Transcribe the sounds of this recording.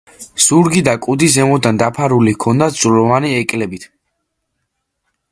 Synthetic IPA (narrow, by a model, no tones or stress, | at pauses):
z̥uɾɡid̪akʼud̪iszɛmɔd̪and̪apʰaɾulikʰɔnd̪az̥ulɔvaniɛkʼlɛbit̪ʰ